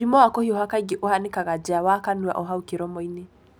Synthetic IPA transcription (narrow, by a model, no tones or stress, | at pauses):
ɾimɔwakɔhioɦakaɡiʔohanikaɣad͡ʒawakanwa̰ʔɔɦaukiɾɔmɔine